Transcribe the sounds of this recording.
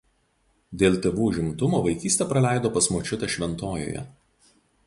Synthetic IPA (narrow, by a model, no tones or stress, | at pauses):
d̪ʲeːlˠʲt̪ʲeʋuːʒʲɪmt̪ʊmoːʋɐɪkʲiːsʲt̪ʲɛːˑpɾɐlʲæˑɪd̪oːpɐsmoːt͡ʃʲʊt̪ʲɛʃʲʋʲɛnt̪oːjo̰ːjɛ̰